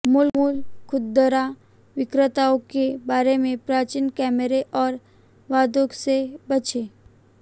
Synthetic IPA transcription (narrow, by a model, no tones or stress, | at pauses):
mʊlmulkʰʊd̪ːəɾa | ʋɪkɾət̪aõkebaːɾemẽpɾaːt͡ʃinkɛːməɾeʔɔːɾ | ʋaːd̪oksebət͡ʃeː